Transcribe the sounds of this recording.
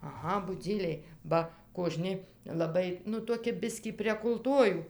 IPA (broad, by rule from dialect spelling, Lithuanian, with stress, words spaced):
ɐˈɣɐ bʊˈd͡zʲiːlʲɛɪ ˈbɐ koːˈʒʲnʲɪ lˠɐˈbɐɪ nʊ toːˈkʲɪ ˈbʲɪsʲkʲiː pʲrʲiɛk ʊlˠˈtuɔjuː